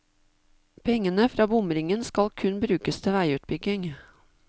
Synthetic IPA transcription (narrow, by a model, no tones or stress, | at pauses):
pʰɛŋənəfɾɑːbʊmɾɪŋənskɑlkʰʉnbɾʉːkəst̪ʰɪʋæɪʉːt̪̚bʏɡɪŋ